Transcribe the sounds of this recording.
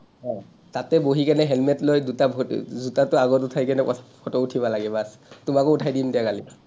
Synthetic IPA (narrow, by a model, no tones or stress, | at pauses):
hɔ | tatɛboɦikanɛɦɛlmɛtlojdutabʱzutatʊaɡɔtutʰajkanɛpɔpʰɔtɔutʰibalaɡɛbas | tumakɔutʰajdindiakali